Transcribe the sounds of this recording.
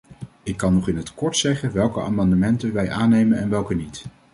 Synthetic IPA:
ɪkːɑnːɔχɪnɦətkɔɹtsɛχənʋɛlˠkəa̰ːmɑndəmɛntənʋɛjʔaːnejmənɛnʋɛlˠkənit

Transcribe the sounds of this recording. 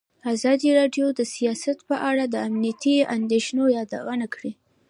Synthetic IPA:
azɑd̪iɾɑɖjod̪əsijɑsat̪pəʔaɽad̪əamnijat̪ia̰nd̪eʃnojɑd̪a̰wənakɽi

